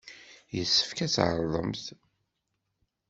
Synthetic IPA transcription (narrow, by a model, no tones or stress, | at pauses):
jəsːə̥fkæt͡sːʕə̰ɾˤðˤə̰mθ